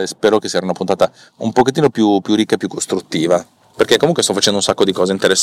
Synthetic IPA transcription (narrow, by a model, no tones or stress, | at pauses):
espɛːɾokesɛɾaunapunt̪aːt̪a | umpoket̪ːiːnopjupjurːikːaepːjukːost̪ɾut̪ːiːva | perkekːomuŋkwest̪ɔfat͡ʃɛnd̪ounsakːod̪ikɔːzeint̪eɾesː